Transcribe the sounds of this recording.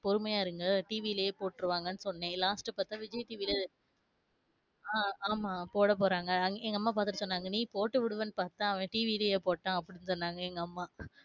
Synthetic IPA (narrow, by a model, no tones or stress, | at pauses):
pɔɾɯmɐjaːɪɾɯŋɡɐʈiːʋilɐjeːpoːʈːɪɾɯʋaːŋɡɐnːɯsɔnːẽːlaːsʈɯpaːɾt̪ːãːʋɪd͡ʒɐjt̪iːʋile | aːaːmaːpoːɽɐp̬oːɾaːŋɡɐɐŋɡɛŋɡɐmːaːp̬aːɾt̪ɯʈːɐsɔnːaːŋɡɐnĩːpoːʈːɯʋɪɽɯʋɐnːɯpaːɾt̪ãːɐʋɐ̃ʈiːʋilɐjeːpoːʈːãːɐpːɐɽɪnːɯsɔnːaːŋɡɐɛŋɡɐːmːaː